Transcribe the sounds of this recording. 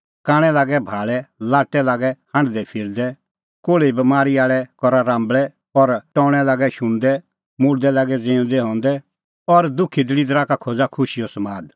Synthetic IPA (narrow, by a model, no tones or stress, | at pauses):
kãːɽ̃ɛlaːɡɛbʱaːɭɛlaːʈːɛlaːɡɛhãɳɖd̪ɛpʰɪɾd̪ɛ | koːɭeibɐmaːɾiaːɭɛkɔɾaɾãːmbɭɛ | ɔɾʈɔ̃ːɽ̃ɛlaːɡɛʃʊ̃nd̪ɛ | mʊɽd̪ɛlaːɡɛd͡zẽːʊ̃d̪ɛɦɔ̃ːnd̪ɛ | ɔɾd̪ʊkʰːid̪ɪlid̪ɾakakʰod͡zakʰʊʃijɔsɐmaːd̪